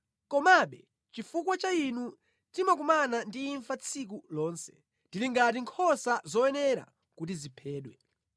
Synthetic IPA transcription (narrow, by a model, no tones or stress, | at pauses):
kɔmaɓɛ | t͡ʃifuk̬wat͡ʃainu | timak̬umanandiːɱfat͡sʰikulɔːnsɛ̥ | ndiliŋɡat̬iŋkʰɔsazɔɛnɛɾa̰ | kutizipʰɛːɗwɛ